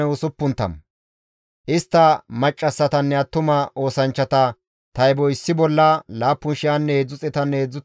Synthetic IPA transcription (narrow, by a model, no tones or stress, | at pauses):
ɛʊsʊpːʊnt̪ːɐ̰m | ʔɪst̪ːɐmɐt͡ʃʼːɐsːɐt̪ɐnːɛɐt̪ːʊmɐʔo̞ːsɐnt͡ʃːɐt̪ɐ | t̪ɐjbɔɪsːɪbɔlːɐlaːpːʊnʃɪɐnːɛheːd͡zːʊt͡sʼɛt̪ɐnːɛeːd͡zːʊ